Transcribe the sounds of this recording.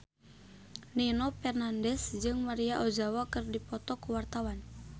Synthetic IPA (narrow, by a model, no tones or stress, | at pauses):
ninɔpɛrnandɛsd͡ʒɨŋmaɾiaʔod͡ʒawakɨrdipɔt̪ɔkuwart̪awan